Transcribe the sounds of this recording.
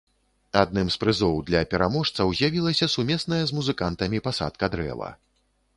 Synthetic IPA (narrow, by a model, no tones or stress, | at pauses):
ad̪̚nɨmspɾɨzɔwd̪lʲɐpʲɛɾamɔʂt̪sɐwzʲjavʲilˠɐsʲɐsumʲɛsnɐjɐzmuzɨkant̪ɐmʲipasa̰t̪̚kɐd̪ɾɛ̰vɐ̰